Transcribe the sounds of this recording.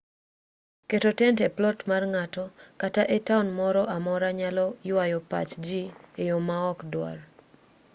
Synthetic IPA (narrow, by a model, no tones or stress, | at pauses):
ketotɛntɛplɔtmarŋatɔkataʔɛtaunmɔɾɔʔamɔɾaɲalɔjwajɔpa̰t͡ʃd͡ʒiejomaɔkdwa̰r